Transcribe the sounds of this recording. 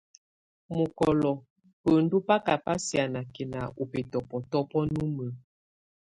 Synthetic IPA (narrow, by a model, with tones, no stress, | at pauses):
mo˨kɔ˨lɔ˨ | pə˨n̩˦du˦pa˦ka˨pa˦sja˨na˨ke˨na˨u˨pe˨tɔ˨pɔ˨tɔ˦pɔ˦nu˦mə˨